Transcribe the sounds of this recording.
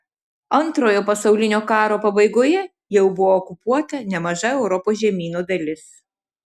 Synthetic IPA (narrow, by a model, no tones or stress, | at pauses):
ɐnˑt̪ɾoːjoːpɐsɐʊlʲɪnʲoːkɑːɾoːpɐbɐɪɡoːjɛ | jɛʊbʊʋoːkʊpuɔt̪ɐnʲɛmɐʒɐɛʊɾɔpoːsʒʲɛmʲiːnod̪ɐlʲɪs